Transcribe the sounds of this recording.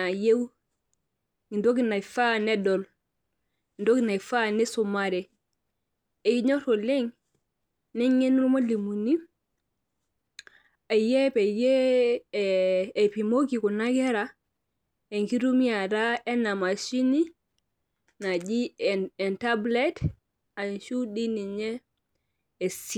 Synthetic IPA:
na˨je˦w | i˨ndo˦ki˦na˨jfa˦ne˦do˨l | ndo˦ki˨na˨fa˦ne˦su˨maɾe˨ | e˨ji˦ɲo˦to˨le˦ŋ | ni˦ŋe˦n˦ɾu˦ma˦li˨mu˨ni˦ | a˨je˦pe˨je˦˨ | pi˨mo˦ki˨ku˨na˦ɡe˦ɾa | e˨ŋki˦ɾu˦mi˦a˨ɾa˦e˦na˨ma˨ʃi˦ni˦ | na˨d͡ʒi˦e˨nta˦ble˦t | a˨ʃu˦di˦ni˨ɲeː˦˨ | si

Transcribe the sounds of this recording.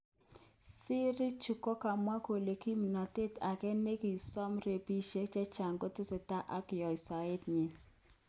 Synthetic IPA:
sɪ˦ɾɪ˦t͡ʃu˨kɔ˦ka˨mwa˦ko˨le˨ki˦m˨na˨te˦ta˨kɛ˦ne˦ki˨sɔ˦mɾe˨pi˦ʃe˦t͡ʃɛ˦t͡ʃa˨ŋɡo˦tɪ˦sɪ˨ta˦ʔa˦kɪ˨jɔ˨ɪ˨sa˨e˦tɲi˨n

